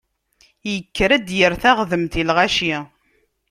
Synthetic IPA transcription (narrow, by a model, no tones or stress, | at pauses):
jəkːɾæd̪jəɾθæʁðəmt̪ilʁaʃi